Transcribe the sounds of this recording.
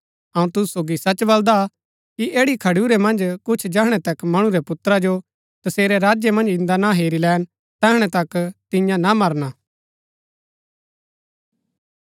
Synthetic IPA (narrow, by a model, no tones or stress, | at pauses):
ɐũt̪ʊsu̥soːɡisɐt͡ʃbɐld̪a | kiʔeːɽikʰɐɽuɾemɐ̃nd͡ʒkʊt͡ʃʰd͡ʒɛːɦɽ̃ɛt̪ɐkmɐɽ̃ũɾɛpʊt̪ɾad͡ʒo | t̪ɐseːɾɛɾaːd͡ʒjemɐ̃nd͡ʒɪ̃nd̪anaɦeːɾilɛːn | t̪ɛːɦɽ̃ɛt̪ɐkt̪ɪ̃jãnamɐɾnaː